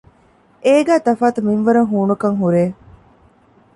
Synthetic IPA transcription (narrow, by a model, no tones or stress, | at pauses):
eːɡæːt̪ɐfaːt̪uminʋɐɾɐŋɦuːnukɐŋɦuɾeː